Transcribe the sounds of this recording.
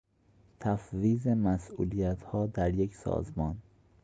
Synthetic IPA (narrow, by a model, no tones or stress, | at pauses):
t̪ʰæfviːzemæsʔulijæt̪ʰhɒːd̪æɾjeksɒ̰ːzmɒːn